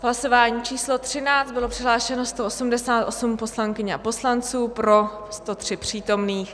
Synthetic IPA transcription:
ɦlaso̞vaːɲiːt͡ʃiːslo̞t̪r̝̥ɪnaːt͡st̪̚bɪlo̞pr̥ɪɦlaːʃɛno̞st̪o̞ʔosumdɛsaːt̪ʔo̞sumpo̞slaŋkɪɲɛa̰po̞slant͡suːpɾo̞ | st̪o̞t̪r̥ɪpr̝̥iːt̪o̞mniːx

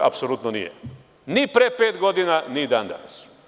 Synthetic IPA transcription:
a̰psolˠut̪nonḭjḛ | nipɾepeːt̪ɡo̞d̪inanid̪aːnd̪a̰nas

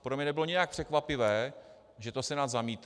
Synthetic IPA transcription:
pɾomɲɛnɛbɪlo̞ɲɪak̚pr̥ɛkvapɪvɛː | ʒɛt̪osɛnat̪zamiːt̪

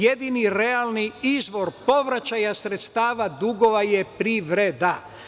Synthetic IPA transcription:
jed̪iniɾealˠniizʋo̞ɾpo̞ʋɾat͡ɕajasɾet̪st̪aːʋad̪uɡo̞ʋajepɾiʋɾed̪a

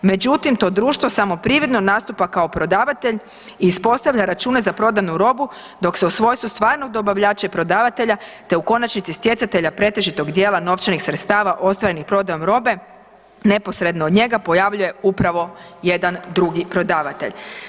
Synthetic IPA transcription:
me̞d͡ʑut̪imt̪o̞ːd̪ɾuːʃt̪ʋo̞samo̞pɾiːʋɾed̪nonaːst̪upakao̞pɾo̞d̪aːʋat̪e̞ʎ | iːspo̞st̪aʋʎʲaɾat͡ʃuːne̞zapɾo̞d̪anuɾo̞bu | d̪o̞kseusʋo̞ːjst̪ʋust̪ʋaːɾno̞ɡ̚d̪o̞baʋʎaːt͡ʃapɾo̞d̪aːʋat̪e̞ʎat̪e̞uko̞nat͡ʃnit̪sist̪je̞t̪sat̪e̞ʎapɾe̞t̪e̞ʒit̪o̞ɡd̪je̞ːlˠano̞ft͡ʃenixsɾet̪st̪aːʋaʔo̞st̪ʋaɾenixpɾo̞d̪ajo̞mɾo̞be̞ | ne̞po̞sɾe̞d̪noːd̪ɲe̞ɡapo̞jaʋʎuje̞upɾaʋo̞ | je̞d̪and̪ɾuɡipɾo̞d̪aːʋat̪e̞̰ʎ

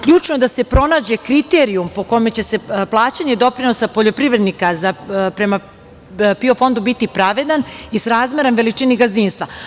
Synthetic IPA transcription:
kʎuːt͡ʂnojed̪ase̞pɾo̞naːd͡ʑe̞kɾit̪e̞ɾiumpo̞ko̞me̞t͡ɕe̞se̞plˠaːt͡ɕaɲe̞d̪o̞pɾino̞sapo̞ʎo̞pɾiʋɾe̞d̪nikazapɾe̞ma | pio̞fo̞nd̪ubit̪ipɾaʋe̞d̪anisɾaːzme̞ɾamʋe̞lit͡ʂiːniɡaziːnst̪ʋa

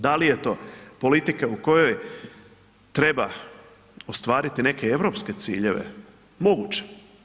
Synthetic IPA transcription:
d̪alije̞t̪o̞po̞lit̪ikauko̞joj | t̪ɾe̞ba̰ | ost̪ʋaːɾit̪ine̞keeʋɾo̞ːpske̞t̪sḭːʎe̞ʋḛ | mo̞ɡut͡ʃe̥

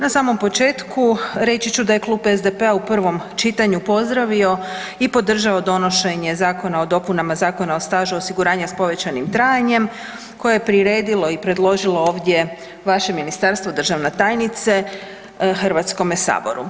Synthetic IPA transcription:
nasaːmo̞mpo̞t͡ʃe̞ːt̪kʰuɾe̞t͡ɕit͡ɕud̪aje̞klˠuːpezd̪epe̞aupr̩ʋo̞mt͡ʃit̪aɲupo̞zd̪ɾaʋio̞ | ipo̞d̪r̩ʒao̞d̪o̞no̞ʃe̞ɲe̞zaːko̞nao̞d̪o̞punamazaːko̞naost̪aːʒuosiɡuɾaːɲaspo̞ʋe̞t͡ɕanimt̪ɾaːjaɲe̞m | ko̞jejepɾiɾeːd̪ilo̞ipɾe̞d̪lˠo̞ʒilˠo̞o̞ːʋd̪je̞ | ʋaʃe̞minist̪aɾst̪ʋo̞d̪r̩ʒaʋnet̪aːjnit̪se̞ | xr̩ʋat̪sko̞mesa̰ːbo̞̰ɾṵ

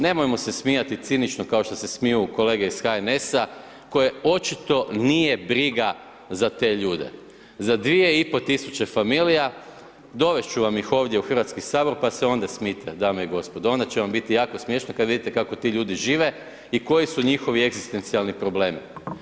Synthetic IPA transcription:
ne̞mojmo̞se̞smijat̪it̪sinit͡ʃno̞kaoʃt̪o̞se̞smijuko̞le̞ːɡeisxaene̞sa | ko̞je̞o̞t͡ʃit̪o̞nije̞bɾiɡa | zat̪e̞ːʎuːd̪e̞̰ | zad̪ʋie̞ipo̞t̪isut͡ʃe̞familija | d̪o̞ʋe̞st͡ʃuʋamixo̞ːʋd̪jeuxr̩ʋat̪skisaːbo̞ɾpaseo̞nd̪asmiːt̪ʰed̪amejiɡo̞spo̞d̪ao̞nd̪at͡ɕeʋambit̪ijaːko̞smje̞ʃnokad̪ʋid̪it̪ekako̞t̪iʎuːd̪iʒiːʋe̞ | iko̞jisuɲixo̞ʋie̞ɡzist̪e̞nt̪sialnipɾo̞ble̞ːmi

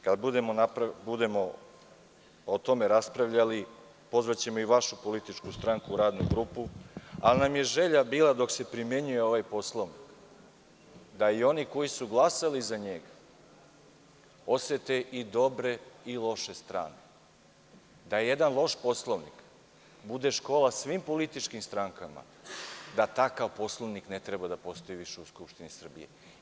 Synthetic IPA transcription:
kad̪bud̪e̞mo̞napɾabud̪e̞mo̞ | ot̪o̞me̞ɾaspɾaʋʎali | po̞zʋat͡ɕe̞mo̞iʋaʃupo̞lit̪it͡ʂkust̪ɾaŋkuːɾaːd̪nṵɡɾuːpualinamje̞ʒe̞ʎabiːlˠad̪o̞kse̞pɾimje̞ɲuje̞o̞ʋajpo̞slˠo̞ʋnik | d̪aio̞niko̞jisuɡlˠasalizaɲe̞ɡa | o̞set̪eʔid̪o̞bɾe̞ilˠo̞ʃe̞st̪ɾa̰ːne̞ | d̪ajed̪anlˠo̞ʃpo̞slˠoʋnḭk | bud̪e̞ʃko̞ːlasʋiːmpo̞lit̪it͡ʃkimst̪ɾaŋkama̰ | d̪at̪akaʋpo̞slˠoʋniknet̪ɾebad̪apo̞st̪o̞jiʋiʃeuskupʃt̪inisr̩bḭjḛ

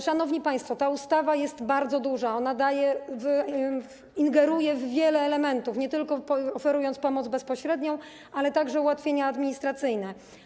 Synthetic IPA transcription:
ʂanɔvɲipaj̃st̪fɔt̪aust̪avajɛst̪baɾd̪zɔd̪uʐaɔnad̪ajɛv | iŋɡɛɾujɛvːʲjɛlɛːlɛmɛnt̪ufɲɛt̪ɘlkɔɔfɛɾujɔnt̪spɔmɔd̪zbɛspɔɕɾɛd̪ɲɔ̃w̃ | alɛt̪aɡʐɛuwat̪fʲjeɲaːd̪mʲiɲist̪ɾat̪sɘjnɛ

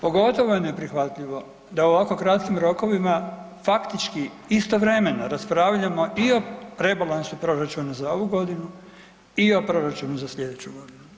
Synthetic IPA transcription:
po̞ɡo̞t̪o̞ʋojene̞pɾixʋat̪ʎiʋo̞ | d̪ao̞ʋako̞kɾat̪kimɾo̞ko̞ʋima | fakt̪it͡ʃki | ist̪oʋɾe̞me̞naɾaspɾaʋʎamo̞ʔio̞ɾe̞balˠansupɾo̞ɾat͡ʃunazao̞ʋuɡo̞d̪inu | io̞pɾo̞ɾat͡ʃunuzasʎe̞d̪et͡ɕuɡo̞d̪inu

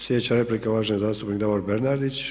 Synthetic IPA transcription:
slʲjed̪et͡ɕaɾe̞plikaʋaːʒnezaːst̪upnikd̪aʋoɾbeɾnaɾd̪it͡ɕ

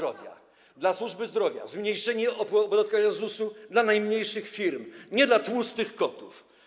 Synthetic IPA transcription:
ɔvʲja̰ | d̪laswuʐbɘzd̪ɾɔvʲja̰zmɲejʂɛɲɛɔɔbɔd̪at̪̚kaɲazusud̪lanajmɲejʂɘxfʲiɾmɲɛd̪lat̪wust̪ɘxkɔt̪uf

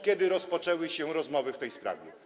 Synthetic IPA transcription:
kʲjɛd̪ɘɾɔspɔt͡ʂɛwɘɕɛɾɔzmɔvɘft̪ɛjspɾa̰vʲjɛ

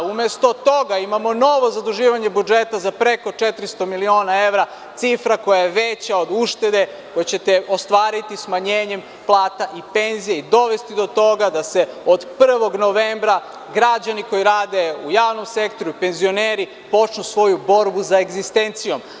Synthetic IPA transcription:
umjest̪o̞t̪o̞ɡaimamo̞no̞ʋo̞zad̪uʒiːʋaɲe̞bud͡ʒe̞t̪azapɾe̞ko̞t͡ʃe̞t̪ɾist̪o̞milio̞ːnae̞ʋɾa | t̪sifɾako̞jajeʋet͡ɕao̞d̪uʃt̪e̞d̪e̞ | ko̞jat͡ɕe̞t̪eo̞st̪ʋaːɾit̪ismaɲeːɲe̞m | plˠaːt̪aʔipe̞nzijeid̪o̞ʋe̞st̪id̪o̞t̪o̞ɡad̪ase̞od̪pr̩ʋo̞ɡno̞ʋembɾa | ɡɾad͡ʑaniko̞jiɾaːd̪e̞ujaːʋno̞mse̞kt̪o̞ɾuipe̞nzio̞neɾi | po̞t͡ʃnusʋo̞jubo̞ɾbuzaeɡzist̪ent̪sijo̞m

